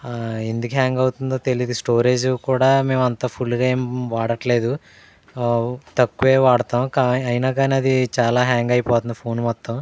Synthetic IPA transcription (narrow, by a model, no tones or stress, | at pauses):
end̪ukeɦaːŋɡɐwt̪und̪o̞ːt̪e̞lid̪isʈoːɾeːd͡ʒkuːɽaːme̞ːmɐnt̪apʰulːɡaːe̞ːmʋaːɽɐʈle̞ːd̪u | t̪ɐkːuʋeːʋaːɽɐt̪aːmkaːɐjinaːɡaːniɐd̪it͡ʃaːlaːɦaːŋɡɐjpɔːt̪und̪ipʰo̞ːnmɔt̪ːɐm